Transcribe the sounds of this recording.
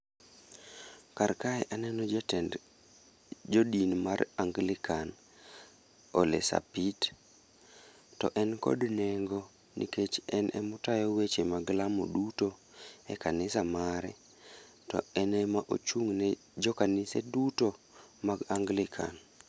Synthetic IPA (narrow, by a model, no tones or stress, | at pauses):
karkaɛʔanɛnɔd͡ʒɛtɛnd | d͡ʒodinmaraŋɡlɪkʰan | olḛsa̰pit | tɔ̰ʔɛnkɔ̰dnɛŋɡo | nḭket͡ʃɛnʔɛ̰mʊtajɔwet͡ʃemaɡlamo̰dutoɛkʰanɪsamaɾɛ | tɔ̰ɛnɛmaʔo̰t͡ʃuŋnɛ | d͡ʒɔkanɪseduto | maɡaŋɡlɪkʰa̰n